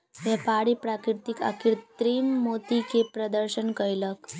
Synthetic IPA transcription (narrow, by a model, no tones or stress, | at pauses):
ʋɛpaɽipɾakɾiɾt̪ika̰kiɾt̪ɾiːmːot̪ikepɾəd̪əɾɕənkəjlək